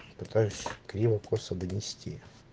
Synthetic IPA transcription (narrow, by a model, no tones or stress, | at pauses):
pɪt̪ɑjʊʃʲkɾʲiʋɐkʰɔsɐd̪ɪnʲisʲtʲḭjɐ